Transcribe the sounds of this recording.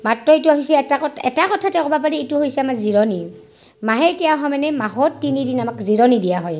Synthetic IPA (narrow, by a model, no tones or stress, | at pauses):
matɹɔitʊaɦisɛtakɔɛ̰takɔtʰatɛkɔbapaɹiituɦojsɛamaziɹɔni | maɦɛkɛjaɦɔmanɛmaɦɔːinidinamakziɹɔnidijaɦɔj